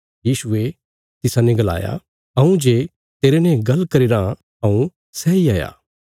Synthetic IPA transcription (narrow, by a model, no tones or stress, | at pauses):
jiːʃʊe | t̪ɪsãnɛɡɐla̰ːja̰ | ɐũd͡ʒeː | t̪eːɾenɛ̃ɡɐlːkɐɾeːɾã | ɐ̃ũ | sɛiaːja̰ː